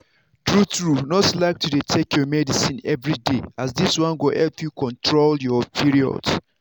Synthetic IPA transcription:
tɹutɹunɔslaɪk̚tʰudetʰekʰjɔmɛdisĩnɛvɹideasdiswãnɡoʔɛlpjukʰɔ̃ntɹoljɔpʰiɹiɔ̰ds

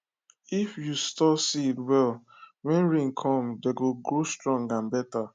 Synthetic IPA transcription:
ifjustɔsiitwɛl | wɛ̃nɹĩŋkʰɔ̃mdeɡoɡɹostɹɔ̃ŋɡãmbɛta

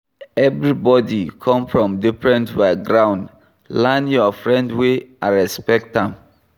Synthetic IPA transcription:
ɛvɹibɔdikʰɔ̃mfɹɔ̃mdifɹɛ̃ntbaɡɹãʊ̃nd | lãnjɔfɹɛ̃ndweãnɹɛspɛk̚tãm

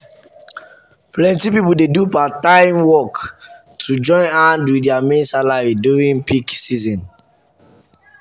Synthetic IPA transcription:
plɛ̃ntipipuldedupatãɪmwɔk | tʰud͡ʒɔ̃ɪ̃nãndwiɛamẽnsalaɹiduɹĩŋpiksizɔ̃n

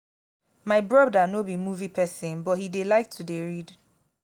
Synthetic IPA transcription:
maɪbɹɔbdanobimuvipʰɛsɪ̃nbɔthidelaɪk̚tʰudeɹid

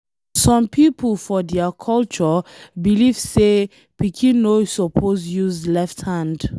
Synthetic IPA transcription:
sɔ̃mpʰipəlfɔdɛakʰɔlt͡ʃɔbilivse | pikʰĩnosɔpʰozjuzlɛfthãnd

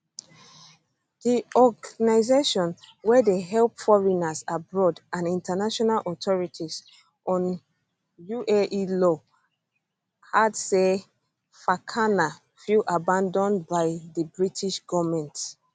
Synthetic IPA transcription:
d̥iɔɡanaɪzeʃɔ̃nwɛdeɦɛlpfɔɹinasabɹɔdãnĩntanaʃɔnalʔɔtʰɔɹitʰiz | ʔɔ̃n | juʔɛʔilɔ | hadsɛ | fakʰana | filʔabãndɔ̃nbaɪðəbɹitʰiʃɡ̥ɔvmɛ̃nt

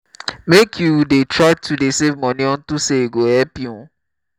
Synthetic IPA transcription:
mekʰjuwdetɹaɪtʰudesevmɔ̃nĩɔ̃n̩tuseeɡohɛpju

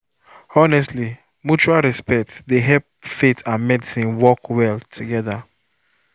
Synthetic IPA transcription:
ɔnɛstli | mut͡ʃualɹɛspɛk̚tsdeɦɛlp̚fetʰãnmɛdisĩnwɔkwɛltʰuɡɛða

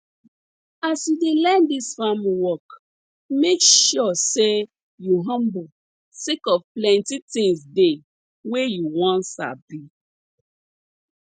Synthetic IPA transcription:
asjudelɛ̃ndisfamwɔk | mekʃɔse | juɦʌ̃mbo | sekɔvplɛ̃ntitĩŋsde | wejuwɔ̃nsa̰bi

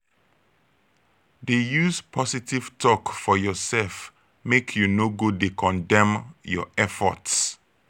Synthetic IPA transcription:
dejuzpʰɔsitiv̥tʰɔkfɔjɔsɛlf | mekʰjunoɡudekʰɔ̃ndɛ̃mjɔɛfɔ̰ts

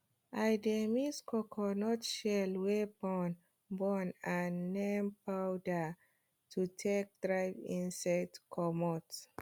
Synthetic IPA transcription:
ʔajdɛmiskʰɔkʰɔnɔtʃɛlwɛbɔn | bɔnãnːɛmpawda | tʰutʰek̚d̥ɹajvĩnsɛtkʰɔmɔt

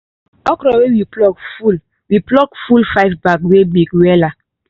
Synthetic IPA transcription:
ɔkɾɔwewiplɔkful | wiplɔkfulfaɪvbakwemekwɛla

